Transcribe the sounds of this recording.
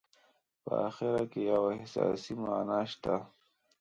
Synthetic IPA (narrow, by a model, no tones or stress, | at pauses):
pə̰a̰xɪɾakejawahɪsɑ̰simaːnaʃt̪a